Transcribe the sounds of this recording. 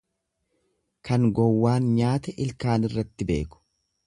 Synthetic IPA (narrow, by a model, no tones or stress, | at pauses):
kɐŋɡɔwːaːnɲaːt̪ɛʔɪlkaːnɪrːɐt̪ːɪbe̞̰ːkʊ̥